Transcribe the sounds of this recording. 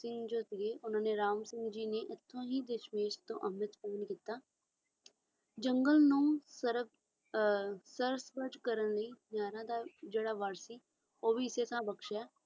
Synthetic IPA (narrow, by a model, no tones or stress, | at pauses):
sɪ̃ŋɡd͡ʒoːt̪ɪeːʔʊnãːneːɾaːmsɪ̃ŋɡd͡ʒiːneːʔɪt̪ʰːõːɦiːd̪eʃmeːʃt̪õ̰ːʔəmɪt̪pəːənkiːt̪aː | d͡ʒəŋɡəlnũːsəɾb | səɾsbəd͡ʒkəɾənləiːnjaːɾãːd̪aːd͡ʒeːɽaːʋaːɾsiː | oːbiːɪseːsãːbəkʃɛː